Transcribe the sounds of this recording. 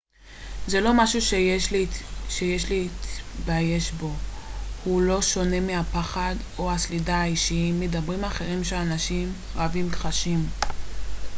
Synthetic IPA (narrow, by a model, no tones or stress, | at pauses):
ze̞lo̞maʃuʃe | ʃejeʃliːt̪baje̞ʃbo̞hulo̞ʃo̞ne̞meapaχad | oaslidaaiʃimedabʁimaχe̞ʁimʃelanaʃim | ʁavimkχaʃim